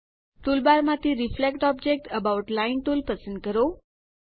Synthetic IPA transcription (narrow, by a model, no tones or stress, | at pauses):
ʈulbaɾmãt̪ʰiɾiflekʈɔb̚d͡ʒek̚ʈəbauʈlainʈulpəsə̃nd̪kəɾo